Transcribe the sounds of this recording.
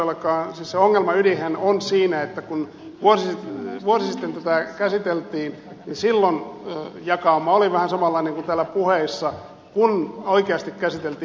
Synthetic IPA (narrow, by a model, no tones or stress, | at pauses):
elːɑkɑːnsisseoŋːelmɑylihænonsiːnæet̪ːækun | ʋuosiʋuosisit̪ːent̪ot̪ɑkæsit̪elt̪iːn | ninsilːonːjɑkɑːmɑoliʋæhænsɑmɑlːɑˑineŋkunt̪æːlːæpuheisːɑ | kunoikeɑst̪ikkæsit̪elt̪iː